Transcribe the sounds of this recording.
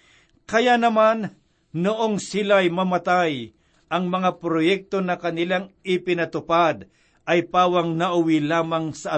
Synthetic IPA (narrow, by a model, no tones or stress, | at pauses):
kɐjanɐman | nʊʔoŋsɪlajmɐmɐt̪aj | ʔɐŋmɐŋapɾojɛk̚t̪o̞nɐkɐnɪlaŋɪpɪnɐt̪ʊpad̪̚ | ʔɐjpaːwɐŋnɐʔʊwilaːmɐŋsɐɐ